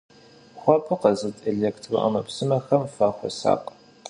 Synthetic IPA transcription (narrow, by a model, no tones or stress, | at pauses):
χʷɔpʰʼɨqɐzɨtʼeɮeːktʰro̰ʔɐ̰mɐpsɨmɐxɐmfaːχʷɔ̰sa̰ːqʼ